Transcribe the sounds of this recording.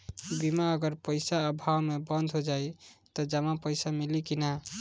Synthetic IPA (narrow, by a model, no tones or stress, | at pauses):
bimaəɡəɾpəɪsaəbʱawmebə̃nd̪ʱɦod͡ʒajt̪ɔd͡ʒəmapəɪsamilikina